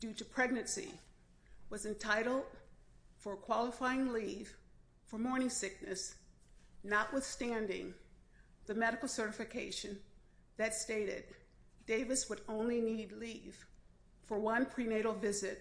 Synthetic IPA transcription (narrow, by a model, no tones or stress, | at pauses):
d̥ʉɾɨpʰɹ̥ɛɡ̚nɨ̃nsḭ | wʌzɨ̃ntʰaɪɾl̩ˠd̥fə˞kʰw̥ɑlˠəfaɪɪ̃ŋliv̥ | fə˞mɔɹnɪ̃ŋsɪk̚nɨs | nəʔwəð̥stæ̃ndɪ̰̃ŋ | ðɨmɛɾɨkl̩ˠsɜ˞ɾɨfɨkʰeɪʃɨ̃n | ðɨtsteɪɾɪ̰d | deɪvɨswəɾõʊ̃nlinidˡliv̥ | fə˞wʌ̃npʰɹ̥ineɪɾl̩ˠvɪzɪt̚